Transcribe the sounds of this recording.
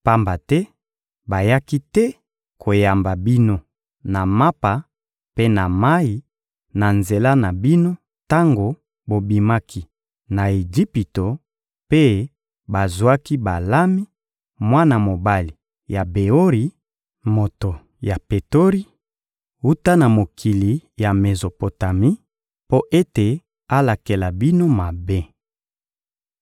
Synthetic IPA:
pa˦mba˨tɛ˦ | ba˨ja˦ki˦tɛ˦ | kʰo˨ja˨mba˨bi˦no˦ | na˨ma˦pa˨ | pe˦na˨ma˦i˨ | na˨nze˨la˦na˨bi˦no˦ | ta˦ŋɡo˨ | bo˨bi˨ma˦kʰi˦ | na˨e˨d͡ʒi˦pi˨to˨ | pe˦ | ba˨zwa˦ki˦ba˨la˦mi˦ | mwa˦na˨mo˨ba˦li˨ | ja˨be˨o˦ʁi˨ | mo˨to˨ | ja˨pe˨to˦ʁi˦ | u˦ta˦na˨mo˨kʰi˨li˨ja˨me˨zo˨po˨ta˨mi˦ | po˦ʔe˦te˨ | a˦la˨ke˨la˨bi˦no˦ma˨be˦

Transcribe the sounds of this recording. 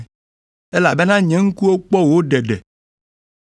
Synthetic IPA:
ɛ˦la˨be˦nã˦ɲɛ̃˨ŋ̩˦ku˦o˦k͡pɔ˦wo˦ɖɛ˨ɖɛ˨

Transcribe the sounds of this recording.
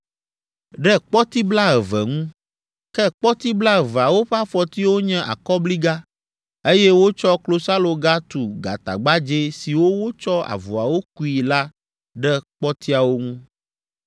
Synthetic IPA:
ɖɛ˦k͡pɔ˦t̪i˦bla˦ɛ˨vɛ̰˨ŋũ˦ | kɛ˦k͡pɔ˦t̪i˦bla˦ɛ˨va˨wo˦ɸa˦fɔ˨t̪i˦wo˦ɲɛ̃˦ʔa̰˨kɔ˦bli˦ɡa˦ | e˦jɛ˦wo˦t͡ʃɔ˦klo˦sa˦lo˨ɡa˦t̪u˨ɡa̰˨t̪a̰˨ɡ͡ba˦d͡ʒe˦si˨wo˦wo˦t͡ʃɔ˦a̰˨vo˨a̰˨wo˦k̚u˦i˨la˦ | ɖɛ˦k͡pɔ˦t̪i˦a˨wo˦ŋũ˦

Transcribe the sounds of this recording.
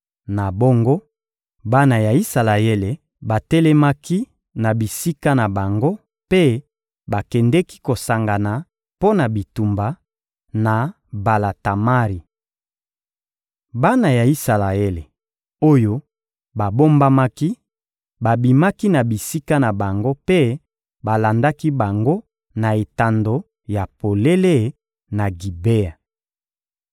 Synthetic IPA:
na˨bo˦ŋɡo˦ | ba˦na˨ja˨i˦sa˨la˨e˦le˨ | ba˨tɛ˦lɛ˦ma˦ki˦ | na˨bi˨si˦ka˦na˨ba˨ŋɡo˦ | pe˦ | ba˨kɛ˨ndɛ˦ki̥˦ko˨sa˨ŋɡa˨na˨ | po˦na˨bi˨tu˨mba˨ | na˨ | ba˨la˨ta˨ma˦ʁi˨ | ba˦na˨ja˨i˦sa˨la˨e˦le˨ | o˦jo˦ | ba˨bo˦mba˦ma˦ki˦ | ba˨bi˨ma˦ki˦na˨bi˨si˦ka˦na˨ba˨ŋɡo˦pe˦ | ba˨la˨nda˦ki˦ba˨ŋɡo˦ | na˨e˨ta˨ndo˨ | ja˨po˨le˦le˦ | na˨ɡi˨be˦a˨

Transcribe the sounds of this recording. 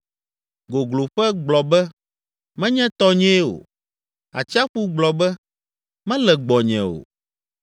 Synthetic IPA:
ɡo˨ɡlo˨ɸɛ˦ɡ͡blɔ˨bɛ˦ | mɛ̃˦ɲɛ̃˦t̪ɔ˦ɲɛ̃˦o̰˨ | a̰˨t͡ɕi˦a˦ɸu˦ɡ͡blɔ˨bɛ˦ | mɛ̃˦lɛ˨ɡ͡bɔ˨ɲɛ̰̃˨o̰˨

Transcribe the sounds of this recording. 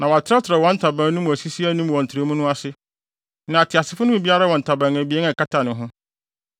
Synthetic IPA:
nã˨wɔ˨a˨tʰɪ˦ɾa˦tʰɪ˨ɾa˨wɔ̃˦n̩˦tʰa˨bã˨˦nʊ̃˦mũ˨æ˨si˦si˦æ˦nʊ̃˦m˨ɔ̃˨n̩˨tʰɾe˨˦mʊ̃˦nʊ̃˦a˦sɪ˦ | nã˨a˨tʰɪ˨a˨sɪ˦fʊ˦nʊ̃˦˨bi˦a˦ɾa˦wɔ̃˨n˨tʰa˨bã˨næ˨bi˨˦e˦ŋ˦a˨ka˦tʰa˨nɪ̃˨ɦʊ̃˦

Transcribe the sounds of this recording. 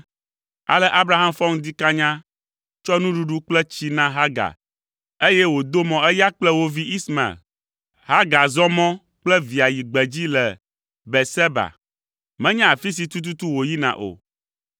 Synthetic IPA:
a̰˨lɛ˦ʔa˦bɾa˦ɦa˦mfɔ˦ŋ˦d̪i˦ka˦ɲã˦ | t͡ʃɔ˦nũ˦ɖu˦ɖu˦k͡plɛ˦t͡ɕi˦nã˦ɦa˦ɡa̰˨ | e˦jɛ˦wo˨d̪o˦mɔ̃˨ɛ˦ja˦k͡plɛ˦wo˦vi˦i˦sma̰˨l | ɦa˦ɡa˨zɔ˦mɔ̃˦ | k͡plɛ˦vi˨a˨ji˨ɡ͡bɛ˨d͡ʑi˦lɛ˨ | bɛ˨sɛ˦ba̰˨ | mɛ̃˦ɲã˦a˨fi˦s̬i˨t̪u˦t̪̬u˦t̪u˦wo˨ji˦nã̰˨ʔo̰˨

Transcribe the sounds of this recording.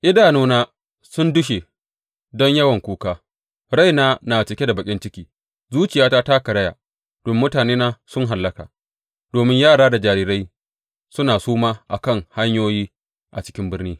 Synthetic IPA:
ʔɪ˦daː˨noː˦naː˦ | sʊ˦ndʊ˦ʃe˨ | dɔ˦ɲjɐ˦wɐ˨ŋkʷuː˦kaː˦ | ɾa˦jnaː˦na˨t͡ʃɪ˨kʲe˦da˨bɐ˨kʲʼɪ˦nt͡ʃɪ˦kʲiː˨ | zuː˦t͡ʃɪ˨jaː˦ta˦ta˦kɐ˨ɽɐ˦ja̰ː˨ | d̥ɔ˦mːʊ˦taː˨neː˦naː˦sʊ˦ŋɦa˨lːɐ˦ka̰ː˨ | d̥oː˨mɪ˦ɲjaː˦˨ɽaː˦da˨d͡ʒaː˨ɾiː˦ɾa˦j | sʊ˦naː˨suː˦maː˦ʔa̰˨kɐ˦˨ŋha˦ɲjoː˦jiː˦ | ʔa˨t͡ʃɪ˦kʲɪ˦mbɪ˦rniː˦

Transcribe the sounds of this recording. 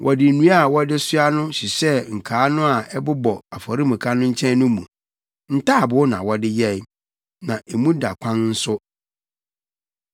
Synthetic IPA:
wʔɔ˨dɪ˨nũ˦a˦˨wɔ˦dɪ˦sʊ˦a˦nʊ̃˦ɕi˨sɛ˦ŋ̩˨kʰaː˨˦nʊ̃˦a˨ɛ˦bʊ˦bɔ˨a˨fɔ˨ɾi˦mũ˨kʰa˦nʊ̃˦ɲ̩˦t͡ɕʰɛ̃˦n˦nʊ̃˦mṵ̃˨ | n̩˦tʰa˦˨bʊ˨˦nã̰˨wɔ˦dɪ˦jɛ˦ | nã˨ʔe˨mũ˦da˨kʷʰã˦nn̩˦sʊ˦

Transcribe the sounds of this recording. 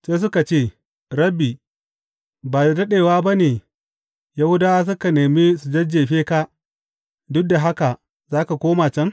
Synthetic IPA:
seː˦s̬ʊ˦ka˨t͡ʃeː˦˨ | ɾɐ˦bi˨ | baː˨dɐ˦ɗeː˨waː˦ba˦neː˨ | ja˦hʊ˦daː˦wa˦s̬ʊ˦ka˨neː˨mi˦su˨d͡ʒɐ˦d͡ʒeː˨ɸeː˦ka˦ | dʊ˦k̚da˨ɦa˦ka˨ | zaː˦ka˨kʷoː˦ma˨t͡ʃɛ˦ŋ

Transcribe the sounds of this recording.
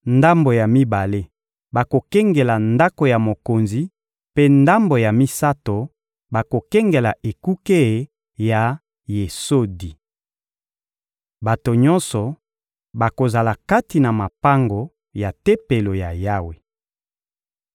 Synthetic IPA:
nda˦mbo˨ja˨mi˦ba˨le˦ | ba˨ko˨kɛ˦ŋɡɛ˨la˨nda˦ko˨ja˨mo˨ko˨nzi˨ | pe˦nda˦mbo˨ja˨mi˦sa˦to˨ | ba˨ko˨kɛ˦ŋɡe˨la˨ʔe˨ku˦ke˦˨ | ja˨ | je˨so˦di˨ | ba˨to˨ɲɔ̃˦nsɔ˨ | ba˨ko˨za˨la˨ka˦ti˨na˨ma˨pa˦ŋɡo˨ | ja˨te˦pe˨lo˨ja̰˨ja˦we˨

